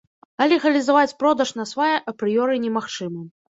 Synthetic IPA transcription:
ɐlʲɛɣɐlʲizavat͡sʲpɾɔd̪ɐʂnɐsvajɛʔɐpɾɨjɔɾɨnʲɛmaxt͡ʂɨmɐ

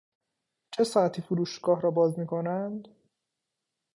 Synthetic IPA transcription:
t͡ʃʰe̞sɒæt̪ʰiːfuɾuːʃɡɒːhɾɒːbɒːzmiːkʰo̞nænd̪̥

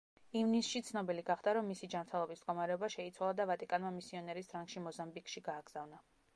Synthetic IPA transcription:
ivnisʃit̪sʰnɔbiliɡaχd̪aɾɔmːisid͡ʒamɾt̪ʰɛlˠɔbisd̪̚ɡɔmaɾɛɔbaʃɛit̪sʰwalˠad̪avat̪ʼikʼanmamisiɔnɛɾisd̪ɾaŋɡ̥ʃimɔzambikʃiɡaːɡz̥avna

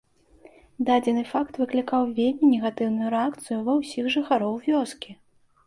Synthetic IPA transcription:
d̪ad͡zʲɛnɨfakt̪vɨklʲikawvʲelʲmʲinʲɛɣat̪ɨwnujuɾɛakt̪sɨjuvɐwsʲixʐɨxaɾɔwvʲɔskʲi

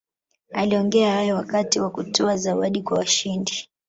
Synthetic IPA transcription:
aliɔŋɡɛahajɔwakatiwakutɔazawaɗikwawaʃindi

